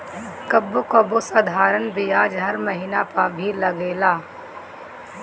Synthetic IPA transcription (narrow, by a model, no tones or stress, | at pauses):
kəbːokobosɐd̪ʱaːɾənbijaːd͡ʒɦɐɾməɦiːnapɐɾbʱilɐɡeːlaː